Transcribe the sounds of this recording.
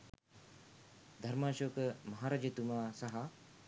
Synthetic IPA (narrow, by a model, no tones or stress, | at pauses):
d̪ʱɐɾmaːʃoːkmɐɦaːɾaːd͡ʒet̪umaːsɐɦɐ